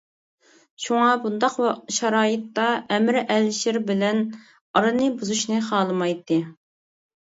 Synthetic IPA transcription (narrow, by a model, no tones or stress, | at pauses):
ʃuŋɑbund̪ɑqʃɑɾɑːjɨt̪ːɑʔɛmɾɛlʃɪɾbɪlɛn | ɑɾɨnɨbuzuʃnɨχɑːlˠɨmɑjt̪ːɨ